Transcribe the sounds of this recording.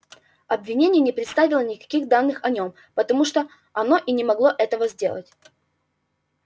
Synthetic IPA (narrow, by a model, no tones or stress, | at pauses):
ɐbvʲɪnʲenʲɪjənʲɪpɾʲɪt̪st̪avʲɪlˠənʲɪkɐ̥kʲiɣd̪anːɨxɐnʲo̞m | pət̪ɐmuʂt̪o | ɐnoʔinʲɪmɐɡlˠo̞ʔɛt̪əvəzʲdʲe̞lˠə̰tʲ